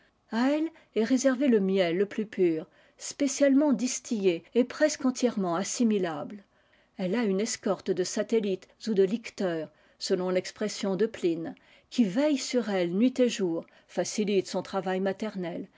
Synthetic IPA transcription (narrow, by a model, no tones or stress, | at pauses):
aɛl | ɛʁezɛʁveləmjɛlːəplypyːʁ | spesjalmɑ̃d̪ist̪ijeepχɛskɑ̃t̪jɛʁmɑ̃asimilabl | ɛlaynɛskɔʁt̪d̪əsat̪elit̪zud̪əlikt̪œːʁ | səlɔ̃lɛkspχesjɔ̃d̪əplin | kʲivɛjsyʁɛlnɥit̪eʒuːʁ | fasilit̪sɔ̃t̪χavajmat̪ɛʁnɛl